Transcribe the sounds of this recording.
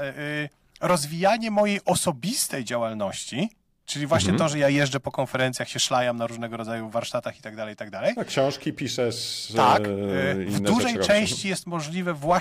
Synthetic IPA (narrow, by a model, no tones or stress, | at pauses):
ɾɔzvʲijaɲɛmɔjejʔɔsɔbʲist̪ɛjd͡ʑawalnɔɕt͡ɕi | t͡ʂɘlʲivwaɕɲɛt̪ɔʐɛjajɛʐd͡ʐɛpɔkɔnfɛɾɛnt̪sʲjaxɕɛʂlajamnaɾuʐnɛɡɔɾɔd̪zajuvːaɾʂt̪at̪axi̥t̪aɡ̚d̪alɛjt̪aɡd̪alɛjkɕɔ̃w̃ʂkʲipʲiʂɛst̪akvvuʐɛjt͡ʂɛ̃w̃ɕt͡ɕijɛst̪mɔʐlʲivɛvwa